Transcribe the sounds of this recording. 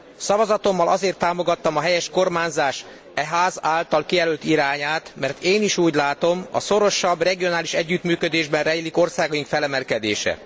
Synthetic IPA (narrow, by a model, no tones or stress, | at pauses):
sɒvɒzɒt̪o̞mːɒlɒzeːrt̪ːaːmo̞ɡɒt̪ːɒmɒɦɛjɛʃko̞rmaːnzaːʃ | ɛɦaːzaːlt̪ɒlkijɛlølt̪iɾaːɲaːt̪mɛrt̪eːniʃuːɟlaːt̪o̞mɒ̰so̞ɾo̞ʃɒbrɛɡijo̞naːliʃɛɟːyt̪myːkø̞d̪eːʒbɛnrɛjiliko̞rsaːɡɒjiŋkfɛlɛmɛlkɛd̪ḛːʃɛ̰